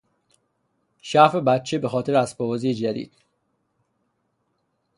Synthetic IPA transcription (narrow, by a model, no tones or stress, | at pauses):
ʃæfe̞bæt̪̚t͡ʃʰe̞be̞xɒːt̪ʰe̞ɾeæspɒvɒːzijed͡ʒæd̪ḭːd̪̥̚